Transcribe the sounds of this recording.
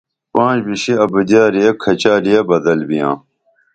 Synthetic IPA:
pãːd͡ʑbiɕiɐbəd̪aːɾijɐkʰɐt͡ɕaːɾijɐbɐd̪ɐlbijã̰ː

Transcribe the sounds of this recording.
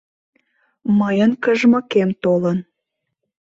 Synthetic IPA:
məjənkəʒməkemt̪olən

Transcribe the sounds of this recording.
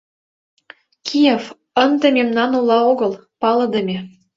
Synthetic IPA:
kʰijef | ənd̪ə̆mʲemnɑnulɑoɣɤ̆lpɑlɤ̆d̪ə̆mʲe

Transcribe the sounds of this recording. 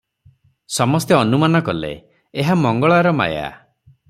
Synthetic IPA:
sɔmɔst̪jɔɔnumanɔkɔlḛ | eɦamɔŋɡɔɭaɾɔma̰ja̰

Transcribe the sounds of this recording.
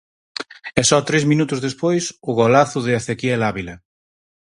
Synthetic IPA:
ɛsɔt̪ɾezminut̪ʊzðespojsʊɣolaθʊðɪaθekiɛlaβilɐ

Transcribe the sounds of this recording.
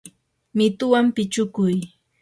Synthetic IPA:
mɪt̪ʊwampɪt͡ʃʊkʊj

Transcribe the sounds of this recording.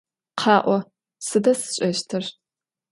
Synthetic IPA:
qʰɑːʔʷɔ | sɨdɐsɨ̥ɕʼɐɕtʰɨr

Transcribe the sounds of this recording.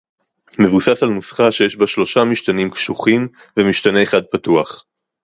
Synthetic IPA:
me̞vusasalnusχaʃejeʃbaʃlo̞ʃamiʃt̪animkʃuχim | vemiʃt̪aneːχad̪̚patuaχ

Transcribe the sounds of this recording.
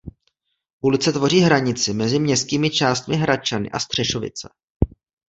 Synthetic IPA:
ʔulɪt͡sɛt̪vo̞r̝iːɦɾaɲɪt͡sɪmɛzɪmɲɛst̪̚kiːmɪt͡ʃaːst̪mɪɦɾat͡ʃanɪ̰ʔa̰st̪r̝̥ɛʃo̞vɪ̰t͡sɛ

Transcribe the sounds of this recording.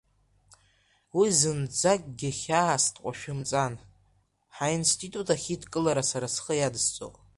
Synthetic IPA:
wizɨnd͡zakʲʼɡʲɪχʲaastʰʼqʷʼaʃᶣɪmt͡sʼan | ħainstʰʼitʼutʰaχʲitʰkʼɨlaɾasaɾasχəjadst͡sʼo̰pʼ

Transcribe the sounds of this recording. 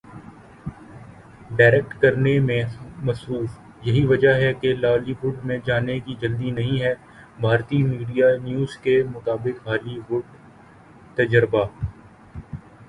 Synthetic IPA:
ɖaːɾek̚ʈkɐɾnemẽmɐsɾuːf | jɐɦiʋɐd͡ʒaɦɛkelaːliʋʊɖmẽd͡ʒaːnekid͡ʒɐld̪inɐɦĩɦɛː | bʱaːɾt̪imiːɖijanjuːzkemʊt̪aːbɪkɦaːliɦʊɖ | t̪ɐd͡ʒəɾbaː

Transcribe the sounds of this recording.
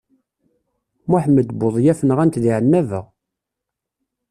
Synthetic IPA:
mʊħməd̪boðˤjæfnəʁænt̪ðiʕənːævəʁ

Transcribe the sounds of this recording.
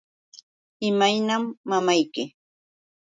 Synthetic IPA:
ɪmajnamːamajkɪ

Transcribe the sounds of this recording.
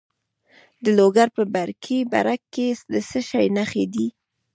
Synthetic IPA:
d̪əloɡaɾpəbaɾkʰiba̰ɾakːed̪əsəʃajnaxed̪i

